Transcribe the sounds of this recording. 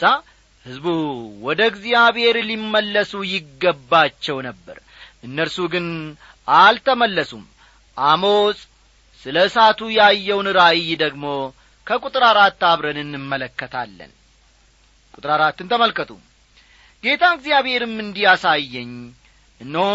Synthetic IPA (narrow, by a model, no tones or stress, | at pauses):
a | hɨzbuwɔd̪əɡzijaβhe̞ɾlimːəlːəsujɪɡːəbːat͡ʃːɛwnəbːə̰ɾ | ʔɨnːəɾsuɡɨn | ʔalt̪ʰəməlːəsum | ʔamosʼ | sɨləɨsat̪ʰujajːɛwnɨɾajd̪əɡmo̞ | kʰəkʼut̪ʼɨɾaɾat̪ːaβɾənɨnːɨmːələkːət̪ʰalːə̰n | kʼut̪ʼɾaɾat̪ːɨnt̪ʰəməlkət̪ʰʼum | ɡe̞t̪ʰaɡzijaβhe̞ɾɨmːɨnd̪ijasajːɛɲː | ʔɨnːəw